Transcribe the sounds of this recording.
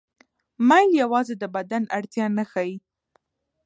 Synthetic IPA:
majljawɑzed̪əbad̪anaɽt̪jɑnaxɑji

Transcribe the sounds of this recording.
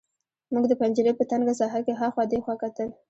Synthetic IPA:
muɡd̪əpand͡ʒəɾepət̪aŋɡas̬ɑɦakeɦaxwɑd̪exwakat̪əl

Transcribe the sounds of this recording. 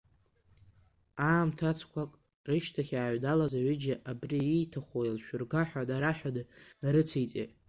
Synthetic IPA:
aːmtʰat͡sʰkʷʰakʼ | rɨʃtʰaχʲaːɥdalazaɥɪd͡ʒaʔabriijtʰaχʷoilʃᶣʊrɡaħʷᶣadaɾaħᶣadnaɾɨt͡sʰijt͡sʼḛ

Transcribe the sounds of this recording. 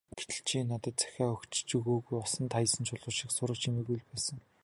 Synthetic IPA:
ɡ̥e̥t̪ɘ̆ɬt͡ɕʰiːnːat̪ə̆t̪̚t͡sæ̥xʲæːxɵkt͡ɕt͡ɕuɣoːɣujʊsə̆nt̪ʰajə̆sə̆nt͡ɕʰʊɮʊːʃiksʊɾə̆kt͡ɕʰimĕːɣujɮpæːsə̆ŋ

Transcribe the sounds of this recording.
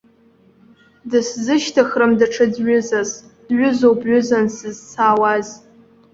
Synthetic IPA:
dɨszɨʃtʰaχrɨmdaʈ͡ʂʰɨdɥʊzasd̥ɥʊzowbɥʊzansɨzt͡sʰaːwaz

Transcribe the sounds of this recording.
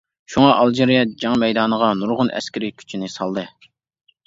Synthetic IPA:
ʃuŋɑʔɑlˠd͡ʒeɾijɛd͡ʒɑŋmɛjd̪ɑːnəʁɑnuɾʁʊnʔɛ̰skʲʰiɾɪkʲʰy̥t͡ʃʰinɪsɑlˠd̪ɨ

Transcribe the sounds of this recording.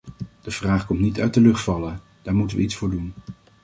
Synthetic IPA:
d̥əv̥raːχkɔmtnitœɥt̚dəlɵχtfɑlə | d̥aːɹmutənʋə̰itsfʊːɹdun

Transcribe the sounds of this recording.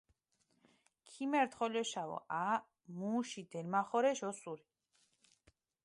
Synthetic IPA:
kʰimɛɾt̪χɔlɔʃavɔ̰ʔaː | muːʃid̪ɛɾmaχɔɾɛʃɔsuɾi

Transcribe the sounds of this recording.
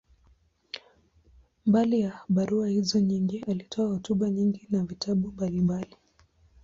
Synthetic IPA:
mbalijaɓaɾuahizɔɲiŋɡiʔalitʰɔahutuɓaɲiŋɡinavitʰaɓumbalimbali

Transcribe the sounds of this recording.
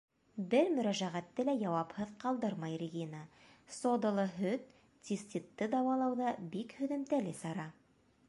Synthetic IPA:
bɘɾmɵ̆ɾæʒæʁæt̪ːɘlæjɑwɑphɤðqɑlˠd̪ɤɾmɑjrʲɪɡʲinəsod̪ɤ̆lˠɤɦɵt̪̚ | t̪ʲist̪ʲit̪ːɤd̪ɑwɑlˠɑwðɑbikhɵ̆ðɘ̆mt̪ælɘsɑɾɑ

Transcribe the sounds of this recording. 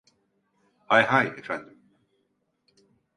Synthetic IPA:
hajɦajefæ̃nd̪ɪm

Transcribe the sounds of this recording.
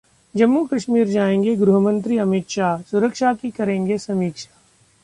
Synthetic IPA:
d͡ʒɐmːukɐʃmiːɾd͡ʒaːẽːŋɡeɡɾʊɦəmə̃nt̪ɾiɐmɪt̪ʃaːɦsʊɾəkʃakikɐɾẽːŋɡesɐmiːkʃaː

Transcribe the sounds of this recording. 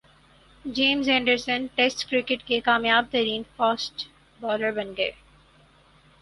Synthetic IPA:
d͡ʒeːmzɛ̃ːɳɖəɾsə̃nʈesʈkɾɪkɪʈkekaːmjaːb̚t̪ɐɾiːnfɔːsʈ | bɔːɾəɾbɐnɡəḛ

